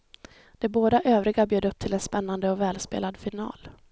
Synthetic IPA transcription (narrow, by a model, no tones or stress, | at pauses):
d̪̥ɛboːd̪aʔøːvɾɪɡabjøːd̪ɵp̚ːt̪ʰɪlɛnspɛnːand̪əɔvɛːlspḛːlad̪fɪnɑ̰ːl